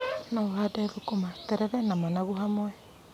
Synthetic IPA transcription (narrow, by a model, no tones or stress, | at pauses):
naohadaeðokomatɛɾɛɾɛnamanaɣuhamwɛ